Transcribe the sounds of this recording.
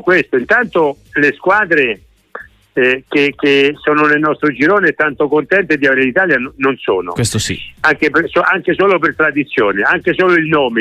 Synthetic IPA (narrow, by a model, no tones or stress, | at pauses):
kwest̪oint̪ant̪oleskwaːd̪ɾe | k̟ek̟esoːnʊnelnɔst̪ɾod͡ʒiɾoːneɛt̪ːant̪okont̪ɛnt̪ed̪iaveːɾelit̪aːljanonso̰ːno̰kwesosḭaŋk̟epesoaŋkesoːlopert̪ɾad̪it̪sːjoːneaŋkesoːloilnoːme